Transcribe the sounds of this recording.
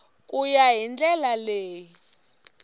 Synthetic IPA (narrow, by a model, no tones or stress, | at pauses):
kʼujaɦind͡ɮɛlaleːji